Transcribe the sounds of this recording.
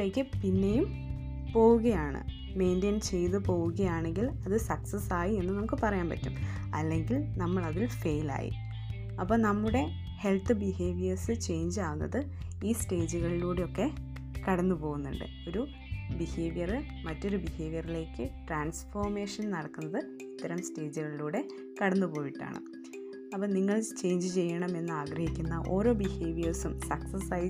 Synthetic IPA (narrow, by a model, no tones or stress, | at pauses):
eːkːɨpinːe̞jum | po̞ːwuɣɐjaːɳɨ̰ | me̞ːndɐnt͡ɕe̞jðɨpo̞ːɣuɣɐjaːɳe̞ŋɡilɐðɨsɐksɐsaːjie̞nːɨnɐmukːɨpɐrɐjaːnpɐ̰tːum | ɐlːe̞ŋɡilnɐmːɐɭɐðilfe̞jla̰ːjḭ | ɐpːoːnɐmːuɽe̞ | he̞lt̪ːɨbihe̞ːʋijɐrsɨt͡ɕe̞jɲd͡ʑaːʋunːɐ̰ðɨ | iːste̞ːd͡ʑuɣɐɭiluːɽeo̞kːe̞ | kɐɽɐnːupo̞ːɣunːuɳɖɨ̰ | o̞ɾu | biheːʋijɐrɨ | mɐtːo̞ɾubihe̞ːʋjɐrile̞ːkːɨʈraːnsfoːrme̞ːʂɐnnɐɽɐkːunːɐðɨ | it̪ːɐɾɐmste̞ːd͡ʑuɣɐɭiluːɽe̞ | kɐɽɐnːupo̞ːjiʈːa̰ːɳɨ̰ | ɐpːɐːniŋːɐɭt͡ɕe̞ːjɲd͡ʑɨt͡ɕe̞jːɐɳɐme̞nːɨaːɡɾɐhikʲːunːɐʔo̞ːɾo̞ːbihe̞ːʋijɐrsumsɐksɐsɐ